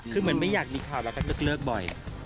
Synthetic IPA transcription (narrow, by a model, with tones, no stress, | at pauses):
kʰɯː˧mɯ˩˦ənma˥˩jaː˨˩k̚miː˧kʰaː˨˩wlɛː˧˦˥wka˥˩nɯː˦˥˩k̚lɤː˥˩k̚bɔ˨˩j